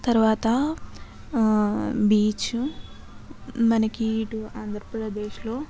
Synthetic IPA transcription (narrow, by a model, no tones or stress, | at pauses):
t̪ɐɾuʋaːt̪ɐ | biːt͡ʃu | mɐnɐkiːʈuaːnd̪ʱɾɐpɾɐd̪eːʃlo̞ː